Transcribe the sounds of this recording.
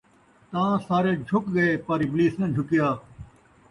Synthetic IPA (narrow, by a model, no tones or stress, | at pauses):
t̪ãːsaːɾeːd͡ʒʱʊkɡɐeːpaːɾiːbɪliːsnə̃d͡ʒʱʊkjaː